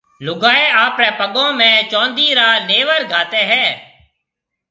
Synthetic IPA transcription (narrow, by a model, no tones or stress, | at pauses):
lʊɡaːeːaːpɾɛːpəɠõːmɛ̃ːt͡ʃɔ̃ːnd̪iːɾaːneːʋəɾɡʱaːt̪eːɦɛː